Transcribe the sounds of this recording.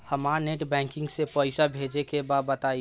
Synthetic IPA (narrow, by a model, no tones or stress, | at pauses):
həmaɾneʈbɛ̃ŋkĩŋɡsẽpəɪsabʱed͡ʒekebad̪̚bət̪ai